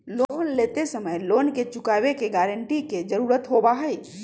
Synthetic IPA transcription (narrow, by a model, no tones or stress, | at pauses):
loːnleːt̪esəməjloːnket͡ʃʊkaːʋekeɡɛːɾəɳʈiked͡ʒəɾuːɾət̪ɦoːbaɦɛi